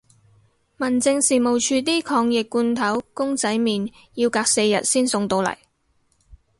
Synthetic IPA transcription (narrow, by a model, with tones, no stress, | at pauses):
mɐ˨˩nt͡sɪ˧ŋsiː˨mo˨˩wt͡ʃʰyː˧t̪̬iː˥kʰɔː˧ŋjɪ˨kːuː˧nt̪ʰɐ˨˥wkʊ˥ŋt͡sɐ˨˥jmiː˨n | jiː˧wkaː˧k̚se˧jːɐ̰˨t̚siː˥nsʊ˧ŋt̪o˧wlɐ̰˨˩j